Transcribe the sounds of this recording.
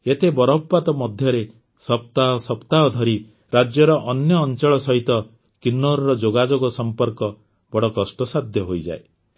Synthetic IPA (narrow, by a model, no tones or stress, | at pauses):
et̪ebɔɾɔppat̪ɔmɔd̪ʱjɔɾe | sɔp̚t̪aɦɔsɔpt̪aɦɔd̪ʱɔɾi | ɾad͡ʒjɔɾɔʔɔnjɔːnt͡ʃɔɭɔsɔɦit̪ɔ | kinːɔɾɔɾɔd͡ʒoɡad͡ʒoɡɔsɔmpɔɾkɔ | b̥ɔɽɔkɔsʈɔsad̪ʱjɔɦojd͡ʒa̰e